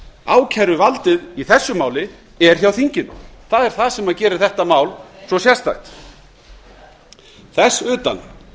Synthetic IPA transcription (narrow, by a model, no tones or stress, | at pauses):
a̰ːwcʰajɾʏvalt̪ɪðiθɛsːʏmaːwlɪ | ɛɾ̥çjawθiɲcɪnθaðɛɾ̥θaðsɛmaðcɛːɾɪɾ̥θɛht̪amaːwlsvɔsjɛst̪a̰jt̪ | θɛsʏːt̪a̰n